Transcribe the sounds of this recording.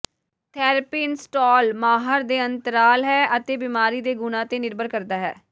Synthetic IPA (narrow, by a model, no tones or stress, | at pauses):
t̪ʰɛːɾpiːnsʈɔːlmaːɦəɾd̪eːənt̪əɾaːlɦɛːət̪eːbimaːɾiːd̪eːɡʊnãːt̪eːnɪɾbəɾkəɾd̪aːɦɛ̰ː